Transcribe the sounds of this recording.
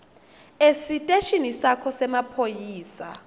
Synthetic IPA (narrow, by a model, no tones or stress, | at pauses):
esitʼeʃinisakʰɔsɛmapʰojiːsa̰